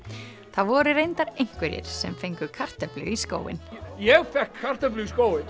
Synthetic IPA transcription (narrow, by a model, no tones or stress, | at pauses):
θaðvɔːɾʏɾejnt̪aɾejŋ̥kvɪɾjɪ̰ɾ̥sɛmfejŋkʏkʰar̥t̪aplʏ̰isko̰ːwɪ̰njɛɣfɛhkʰːar̥t̪aplʏskoːwɪn